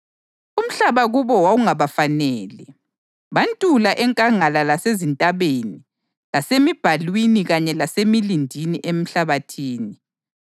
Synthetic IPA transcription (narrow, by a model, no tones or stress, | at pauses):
um̩ɬaβaɣuβɔwawuŋaβafanɛːlɛ | βantʼulaʔɛŋkʼaŋalalasezintʼaβeni | lasemib̥ʱalwiniɣaɲɛlasemilindʱiniʔem̩ɬaβatʰiːni